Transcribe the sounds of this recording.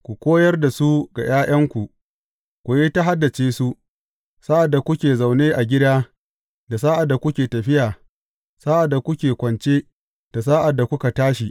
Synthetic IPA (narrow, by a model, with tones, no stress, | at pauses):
kʷu˨kʷoː˦jɐ˦rda˨su˦ɡa̰˨j̰ʔaː˦j̰ɐ˦ŋkʷu˨ʔ | kʷu˨jeː˦ta˦ɦa˦dːa˨t͡ʃeː˦su˦ | saː˦ʔa˨dːa˨kʷʊ˦kʲeː˨za˨wneː˦ʔa˨ɡʲɪ˦daː˦ | da˨s̬aː˦ʔa˨dːa˨kʷʊ˦kʲeː˨tɐ˨ɸɪ˦jaː˨ | saː˦ʔa˨dːa˨kʷʊ˦kʲeː˨kʷɐ˨nt͡ʃeː˦ | d̥a˨s̬aː˦ʔa˨dːa˨kʷʊ˦ka˨taː˦ʃi˨